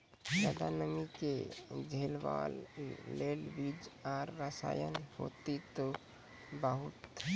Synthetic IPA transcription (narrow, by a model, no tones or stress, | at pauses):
sad̪anəmiked͡ʒʱelʋa̰lːelbid͡ʒaɾːəsa̰jə̰nho̰t̪it̪o | bəɦut̪